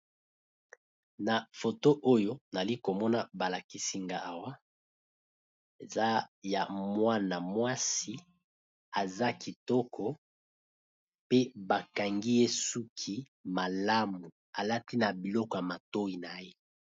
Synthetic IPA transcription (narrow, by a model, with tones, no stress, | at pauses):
na˨fo˨to˦ʔo˦jo˦na˨li˦ko˨mɔ˦na˦ba˨la˨ki˨si˦ŋɡa˨ʔa˨wa˦ | e˨za˦ja˨mwa˦na˨mwa˦si˦ | a˨za˦ki˨tɔ˦kʰɔ˦ | pe˦ba˨ka˨ŋɡi˦je˦su˦kʰi˦ | ma˨la˦mu˨ | a˨la˦ti˦na˨bi˨lɔ˦kɔ˨ja˨ma˨to˦i˨na˨je˦